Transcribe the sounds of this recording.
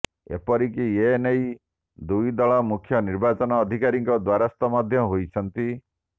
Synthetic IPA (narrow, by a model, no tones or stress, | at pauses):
ḛpɔɾikienej | d̪ujd̪ɔɭɔmukʰjɔniɾbat͡ʃɔnɔːd̪ʱikaɾiŋkɔd̪waɾast̪ɔmɔd̪ʱjɔɦojt͡ʃʰɔnt̪i